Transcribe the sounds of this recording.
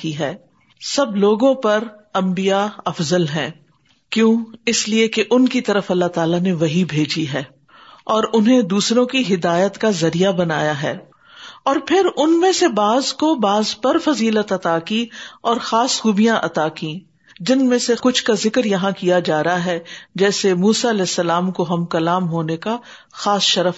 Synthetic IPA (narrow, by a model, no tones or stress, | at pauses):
kiɦɛː | sɐbloːɡõpɐɾɐ̃mbijaɐfzəlɦɛ̰̃ː | kjõːɪsliekeʔʊnkit̪ɐɾəfɐlːat̪aːlaneʋɐɦibʱeːd͡ʒiɦɛː | ɔːɾʊnɦẽd̪uːsɾõkiɦɪd̪aːjət̪kazɐɾijabɐnaːjaɦɛː | ɔːɾpʰɪɾʊnmẽsebaːzkobaːzpɐɾfɐziːlət̪ɐt̪aːkĩɔːɾxaːsxuːbijãʔɐt̪akĩː | d͡ʒɪnmẽsekʊt͡ʃʰkazɪkɾjɐɦãkijad͡ʒaːɾɐɦaɦɛːd͡ʒɛːsemuːsaɐlɛːsːɐlaːmkoɦɐmkɐlaːmɦoːneka | xaːsʃɐɾəf